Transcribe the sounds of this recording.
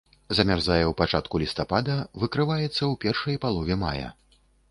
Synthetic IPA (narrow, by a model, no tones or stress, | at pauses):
zɐmʲarzajɛwpat͡ʂat̪kulʲist̪apad̪ɐvɨkɾɨvajɛt̪sːɐwpʲɛrʂɐjpalˠɔvʲɛma̰jɐ̰